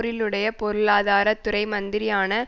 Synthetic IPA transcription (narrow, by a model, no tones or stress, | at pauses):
ɾɪlɯɽɐjɐpɔɾɯɭaːðaːɾɐt̪ːʊɾɐɪmɐnd̪ɪɾɪjaːnɐ